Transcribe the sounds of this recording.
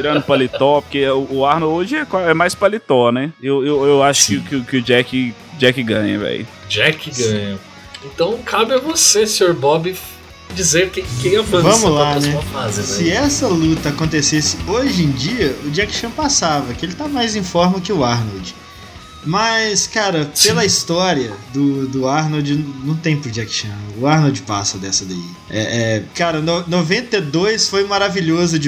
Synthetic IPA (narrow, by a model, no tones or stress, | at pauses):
t͡ʃiɾɐ̃nd̪ʊpalit̪ɔpoɾkeʊːaɾnowod͡ʒɪɛkwaɛmajspalit̪ɔnɛewewewaʃʊ̥kɪkɪʊkɪʊd͡ʒɛkɪ | d͡ʒɛkɪɡɐ̃ɲɐ̰vɛ̰j | d͡ʒɛkɪɡɐ̃ɲɐ | ẽt̪ɐ̃w̃kʰabɪɐvosesẽoɾbɔbɪ | d͡ʒizẽɾkẽkẽj̃ɛwfɐ̃vɐ̃mʊlanɛɐfazẽssɪɛsɐlut̪ɐakõt̪esesɪoʒẽj̃d͡ʒiɐʊd͡ʒiakʃɐ̃pasavɐkɪelɪt̪amajzĩfɔɾmɐkɪʊaɾnowd͡ʒɪ | mɐskaɾɐpelɐist̪ɔɾiɐd̪ʊd̪ʊaɾnowd͡ʒɪnnɐ̃w̃t̪ẽj̃pʊd͡ʒiakʃɐ̃ʊaɾnowd͡ʒɪpa̰sɐd̪ɛsɐd̪aḭ | ɛ̰ʔɛkaɾɐnonovẽnt̪ed̪ojsfojmaɾaviʎozʊd͡ʒɪ